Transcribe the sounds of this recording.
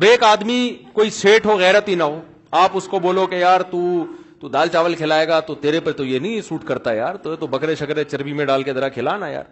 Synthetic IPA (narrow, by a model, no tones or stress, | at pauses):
beːkaːd̪mikoːiseːʈɦoɣɛːɾət̪ɦinɐɦoː | aːpʊskoboːlokejaːɾt̪uː | t̪uːd̪aːlt͡ʃaːʋəlkʰɪlaːeːɡat̪ot̪eːɾepɐɾt̪ojenɐɦĩsuːʈkɐɾt̪ajaːɾt̪ot̪obɐkɾeʃɐkɾẽt͡ʃɐɾbimẽɖaːlked̪ɐɾakʰɪlaːnaja̰ːɾ